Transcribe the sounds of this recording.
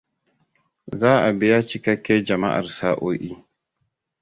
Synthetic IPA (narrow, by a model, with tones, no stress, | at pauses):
zaː˦ʔa˨bɪ˦ja˦t͡ʃi˦ka˦kʲːe˦d͡ʒɐ˨ma̰˦ʔa̰˨ɾsaː˦ʔo˦ʔi˦